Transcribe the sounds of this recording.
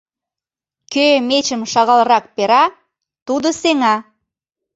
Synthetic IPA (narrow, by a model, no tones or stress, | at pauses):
kʲømet͡ʃɪmʃɑʁɑlˠɾɑk̚peɾɑ | t̪ud̪əseŋɑ